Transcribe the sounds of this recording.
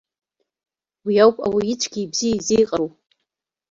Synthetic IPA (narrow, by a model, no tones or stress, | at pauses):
wiawpʼa̰wait͡ʃʷʰʼɡʲiːbz̥ijaizejqʼaɾo